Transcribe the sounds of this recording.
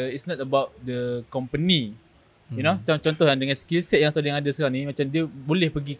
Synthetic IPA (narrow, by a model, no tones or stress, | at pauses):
itsnɔt̚əbawt̚dəkɔmpəni | inoat͡ʃamt͡ʃɔnt̪ɔhjandəŋãnskilsɛt̪̚jaŋsalaŋadasəkaaŋnĩmat͡ʃamdiəbolɛhpəɡik